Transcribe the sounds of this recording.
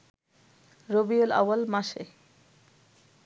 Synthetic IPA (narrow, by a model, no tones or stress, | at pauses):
ɾobiola̰walmaʃḛ